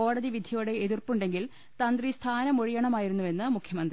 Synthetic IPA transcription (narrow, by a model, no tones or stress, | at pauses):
o̞ːɽɐðiʋid̪ʱijuɽe̞ːðirpuɳɖe̞ŋɡil | t̪ɐnd̪rist̪ʰaːnɐmoɻijɐɳɐmaːjiɾunːuʋe̞nːɨmukʰːjɐmɐnd̪ri